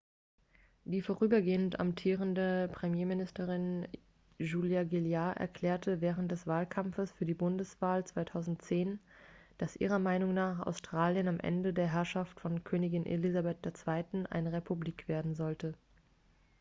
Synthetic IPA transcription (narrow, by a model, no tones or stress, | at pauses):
d̥iːfoːʁyːbɐɡeːənta̰mtʰiːʁ̞əndəpʁ̥ɛmjeːmɪnɪstəʁɪn | ʒuːljaɡɪljaʔɛ̰ɐkʰl̥ɛːɐtʰəvɛːʁ̞əntd̥ɛsv̥aːlkʰamfəsfyːɐdiːbʊndəsv̥aːlt͡sv̥aɪtʰaʊzn̩tt͡seːnd̥asʔḭːʁɐmaɪnʊŋnaːχʔa̰ʊstʁ̥aːljənamʔɛ̰ndədeːɐɦɛɐʃaftfɔnkʰøːnɪɡɪnʔḛlizabɛt̚d̥eːɐt͡sv̥aɪtn̩ʔa̰ɪnʁepʰubliːkv̥eːɐdn̩zɔltə